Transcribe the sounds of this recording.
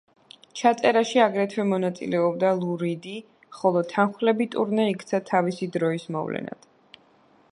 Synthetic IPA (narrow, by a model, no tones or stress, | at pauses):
t͡ʃʰat̪sʼɛɾaʃiaɡɾɛt̪ʰwɛmɔnat̪sʼḭlɛɔbd̪alˠuɾid̪i | χɔlˠɔt̪ʰanχlɛbit̪ʼuɾnɛikʰt̪sʰat̪ʰavisid̪ɾɔismɔ̰vlɛ̰na̰d̪̥